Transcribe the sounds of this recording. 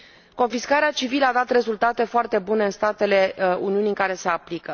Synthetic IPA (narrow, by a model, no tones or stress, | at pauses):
ko̞nfiskaɾeat͡ʃiviləad̪at̪re̞zult̪at̪e̞foart̪e̞bune̞ɨnst̪at̪e̞le̞uniuniŋkaɾe̞se̞aplikə